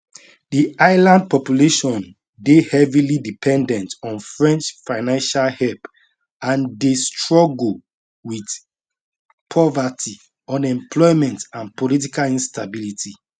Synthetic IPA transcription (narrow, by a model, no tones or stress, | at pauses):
diaɪlãnd̚pɔpjuleʃɔ̃n | dehɛvilidipʰɛ̃ndɛ̃ntɔ̃nfɹɛ̃nt͡ʃfaɪnãnʃalhɛlp | ãndestɹɔɡ | wid | pʰɔvati | ɔ̃nɛ̃mpʰlɔɪmɛ̃ntãnpɔlit̬ikalĩnstabilitʰi